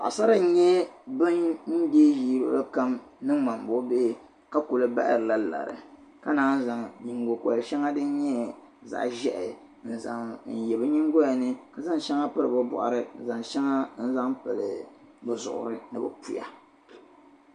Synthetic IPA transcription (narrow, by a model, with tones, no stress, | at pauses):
a˨a˨sa˦ɾa˨˦ɲɛ˦bɨ˦nn̩˦deː˦ʒiː˦b̰ba˦ka˦mnɨ˦ŋma˨m˨bo˦beː˦˨ | ka˦ko˨lɨ˦ba̰˦ʔɾɨ˨la˦la̰˨ɾɨ̰˨ka˦naː˦n̩˦za˨ŋɲi˨ŋɡo˨ko˨a˨ʃɛ˦ŋa˦dɨ˦n˦ɲɛ˦ | za̰˨ʔʒɛ˦ʔɪ˨ | n̩˨za˨n̩˨jɛ˨bɨ˦ɲi˦ŋɡo˦ja˨nɨ˦ka˨za˦ŋʃɛ˦ŋa˦pɨ˦ɾɨ˨bɨ˦bɔ̰˨ʔa̰˨ɾɨ˦n̩˨za˨ŋʃɛ˦ŋa˦n̩˦za˦ŋpɨ˨lɨ˨ | bɨ˨zʊ̰˨ʔʊ̰˨ɾɨ˦nɨ˨bɨ˨pu˦ja̰˨